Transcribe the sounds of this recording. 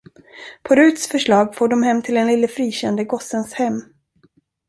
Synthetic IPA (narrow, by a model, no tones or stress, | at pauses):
pʰɔɾʉ̟ːt̪sfœʂɭɑːɡfoːɖɔmɦɛmːt̪ʰɪlɛnlɪlːəfɾiːɕɛnd̪əɡɔsənshɛmː